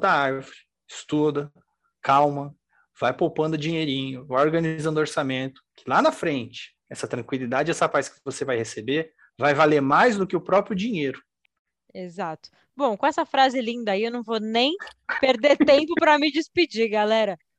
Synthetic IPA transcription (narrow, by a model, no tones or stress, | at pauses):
t̪ɐaɾvɾɪ | ɪst̪ud̪ɐ | kawmɐ | vajpowpɐ̃nd̪ʊd͡ʒĩɲejɾĩɲʊvajoɾɡɐ̃nizɐ̃nd̪ʊoɾsamẽnt̪ʊ̥kʰɪ̥lanɐfɾẽnt͡ʃɪ̥ | ɛsɐt̪ɾɐ̃ŋkwilid̪ad͡ʒɪɛsɐfajskɪvosevajhesebe | vajvaleɾmajzd̪ʊkɪʊpɾɔpɾiʊd͡ʒĩɲejɾʊ | ezat̪ʊ̥ | bõw̃kõɛsɐfɾazɪlĩnd̪ɐiewnɐ̃w̃vonẽj̃peɾd̪eɾt̪ẽmpʊpɾɐmɪd͡ʒispid͡ʒiɡalɛɾɐ